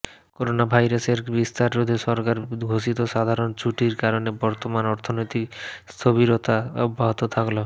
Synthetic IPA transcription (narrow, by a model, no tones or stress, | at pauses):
koɾonabʱajɾaseɾbist̪aɾːod̪ʱeʃɔɾkaɾɡʱoʃit̪oʃad̪ʱaɾont͡ɕʰuʈiɾkaɾonebɔɾt̪omanɔɾt̪ʰonojt̪ikst̪ʰoβiɾot̪aubʱːaɦot̪ot̪ʰaklo